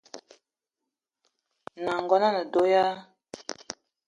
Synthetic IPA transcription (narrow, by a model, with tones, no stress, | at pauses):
na˨ŋɡɔ˨na˦na˨do˨˦ja˦